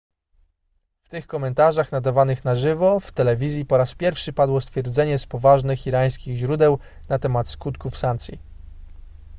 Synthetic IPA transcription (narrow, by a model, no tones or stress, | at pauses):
ft̪ɘxkɔmɛnt̪aʐaxnad̪avanɘxnaʐɘvɔft̪ɛlɛvʲizʲjipɔɾaspʲjɛɾfʂɘpad̪wɔst̪fʲjɛɾd̪zɛɲɛspɔvaʐnɘxiɾaj̃skʲiɣʑɾud̪ɛw | nat̪ɛmat̪skut̪kufsant̪sʲjḭ